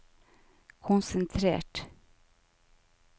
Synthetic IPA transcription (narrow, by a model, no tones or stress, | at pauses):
kʰʊnsɛnt̪ʰɾḛːʈ